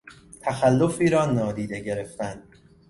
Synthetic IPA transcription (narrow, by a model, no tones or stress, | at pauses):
t̪ʰæxælːofiːɾɒːnɒːd̪iːd̪e̞ɟe̞ɾe̞ft̪ænd̪